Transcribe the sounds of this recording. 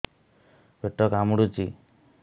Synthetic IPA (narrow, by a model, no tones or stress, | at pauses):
bʱeʈɔkamuɽut͡ʃi